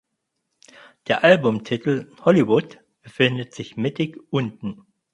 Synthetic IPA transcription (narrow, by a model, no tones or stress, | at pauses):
d̥eːɐʔalbʊmtʰɪtl̩hɔlivʊt | b̥əfɪndətz̥ɪçmɪtɪkʔʊntn̩